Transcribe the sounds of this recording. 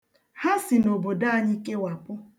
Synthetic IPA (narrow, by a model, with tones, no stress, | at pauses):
ha˦sɪ˨no˨bo˨da˦a˨ɲɪ˦ke˦wa˨pʊ˦